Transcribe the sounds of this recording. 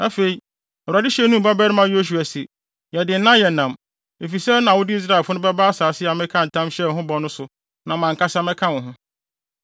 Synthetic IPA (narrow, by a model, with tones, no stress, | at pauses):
a˦fe˨i˨ | ɔ˨a˨dɪ˦ɕɛ˦nũ˦m̩˨ba˦bɛ˦ɾɪ˦mã˦jo˦ɕ̬u˨a˨si˨ | jɛ˨dɪ˨n̩˦nã˦jɛ˨nã˨m | e˨fi˨sɛ˦nã˨wʊ˦dɪ˦i˦s̬ɾa˦˨fʊ˦nʊ̃˦bɛ˦ba˦a˦saː˨sɪ˦a˨mɛ̃˦kʰã˦n̩˨tʰã˦mɕɛ˦˨ɦʊ̃˦bɔ˨nʊ̃˦sʊ˨ | nã˨mã˨ŋka˦sa˦mɛ̃˦kʰã˦wʊ̃˨ɦʊ̃˦